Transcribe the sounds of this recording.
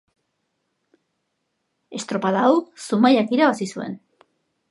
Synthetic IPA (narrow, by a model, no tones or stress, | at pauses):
e̞st̪ɾo̞paðawsumajakiɾaβasisue̞̰n